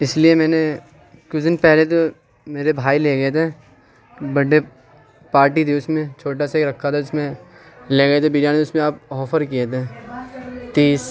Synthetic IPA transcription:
ɪsliemɛ̃ːne | kʊsd̪ɪnpɛɦlet̪o | meːɾebʱaːileːɡɐet̪ʰeː | bɐɽe | paːɾʈit̪ʰiʊsmẽt͡ʃʰoːʈ̬aseeːkɾɐkʰːat̪ʰaʊsmẽleːɡɐet̪ʰebiːɾjaneʊsmẽaːpɔːfəɾkijet̪ʰe | t̪iːs

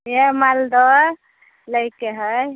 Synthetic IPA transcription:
jemald̪ɔ | ləjkeɦəj

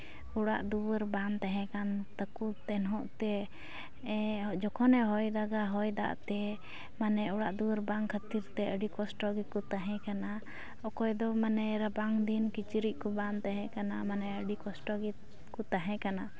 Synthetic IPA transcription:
uɽa̰ʔd̪uwəɾbant̪aɦɛ̃kant̪əkut̪ɛnɦɔʔt̪ɛ | d͡ʒɔkʰɔnɛɦɔjd̪aɡaɦɔjd̪a̰ʔt̪ɛ | manɛuɽaʔd̪uwəɾbaŋkʰət̪iɾt̪ɛəɖikɔsʈɔɡikɔt̪aɦɛ̃kana | ɔkɔjd̪ɔmanɛɾabaŋd̪inkit͡ʃiɾiʔ̚kɔbant̪aɦɛ̃kanamanɛəɖikɔsʈɔɡi | kɔt̪aɦɛ̃kana

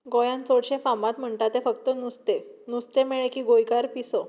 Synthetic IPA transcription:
ɡojãnt͡soɽɕẽfãmat̪m̤əɳt̪at̪efəkt̪ənust̪enust̪emeɭekiːɡojkaɾpisɔ

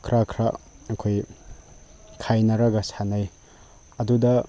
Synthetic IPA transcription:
kʰɾakʰɾaɐkʰoj | kʰajnɐɾɐɡɐsanɐj | ɐdudɐ

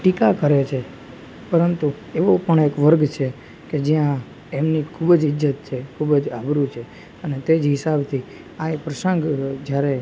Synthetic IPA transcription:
ʈikakəɾet͡ʃʰe | pəɾənt̪u | eʋopəɳekʋəɾɡt͡ʃʰe | ked͡ʒjã | emnikʰubd͡ʒɪd͡ʒət̪t͡ʃʰekʰubd͡ʒabɾut͡ʃʰe | ənet̪ed͡ʒɦɪsabt̪ʰi | aepɾəsə̃ŋɡd͡ʒjaɾe

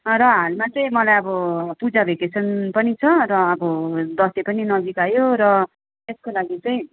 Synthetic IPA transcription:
ɾʌɦalmat͡sʌĩmʌlajʌbʌpud͡zabʱekesʰʌnpʌnit͡sʰʌrʌːbʌd̪ʌslepʌninʌd͡zikajoɾʌ | teskolaɡit͡sʌĩ

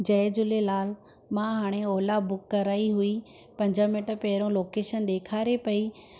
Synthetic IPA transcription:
d͡ʑɐːd͡ʑʊlelaːl | mãɦaːɽ̃eɔːlabʊkːɐɾaːiɦui | pɐ̃ɲd͡ʑəmɪʈpɛɦɪɾõloːkeːʃənɗeːkʰaːɾepɐi

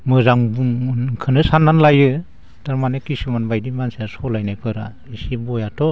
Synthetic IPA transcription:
mɯzaŋbuŋnkʰɯnɯsanːanlajɯ | taɾmanɯkisumanbajdimansasɔlajnajpʰɯɾa | isibɔjatʰɔ

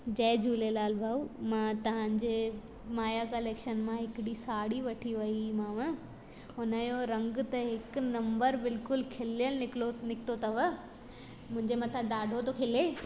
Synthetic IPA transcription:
d͡ʑɐːd͡ʑʱuːlelaːlbʱaumãːt̪ɐʋ̤ãːɲd͡ʑeː | maːjakɐleːkʃənmãɦɪkɪɽisaːɽiʋɐʈʰiʋɐimãːʋə̃ | ɦʊnəjoɾɐ̃ŋɡt̪ɐɦɪknɐ̃mbəɾbɪlkʊlkʰɪlijəlɪonɪkɪ̥t̪ot̪ɐʋə | mʊ̃ɦɪ̃ɲd͡ʑemɐt̪ʰãɖaːɖʱot̪okʰɪleː

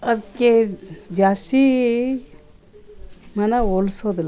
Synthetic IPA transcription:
ɐd̪ked͡ʒaːsi | mɐnaolsod̪la

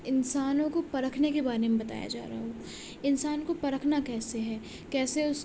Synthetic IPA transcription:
ɪnsaːnõkopɐɾəkʰnekebaːɾemẽbɐt̪a̰ːja̰d͡ʒa̰ːɾɐɦaɦoː | ɪnsaːnkopɐɾəkʰnakɛːseɦɛː | kɛːseʊs

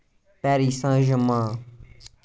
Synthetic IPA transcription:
pɛːɾiːsãːʒəmãː

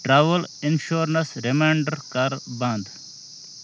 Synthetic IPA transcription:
ʈɾaːʋəlɪnʃuːɾnɐsɾɪmaɳɖəɾkaɾbãnd̪

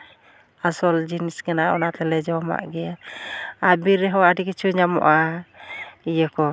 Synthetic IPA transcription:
asɔld͡ʒinisɡɛnaɔ̰nat̪ɛlɛd͡ʒɔma̰ʔɡɛja | abiɾɛɦɔadikɛt͡ʃʰuɲamɔ̰ʔa | ijəkɔ

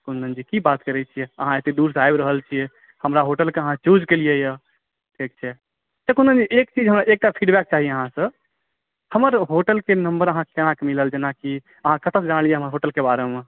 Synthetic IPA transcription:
kunənd͡ʒikibat̪kəɾɛt͡ʃʰijɛəɦãet̪eɖuɾsajbɾəɦəlt͡ʃʰiɛ | həmɾaɦoʈəlkeəɦãt͡ʃud͡ʒkelijejə | ʈʰik̚t͡ʃʰɛ | t̪ekund̪ənd͡ʒiʔek̚t͡ʃid͡ʒɦəmɾaʔek̚ʈapʰiɖbɛk̚t͡ʃaɦieəɦãsə̃ | həməɾɦoʈəlkenəmbəɾəɦãkekənãkemiləld͡ʒenaki | əɦãkət̪əsd͡ʒanəlijeɦəməɾɦoʈəlkebaɾeme

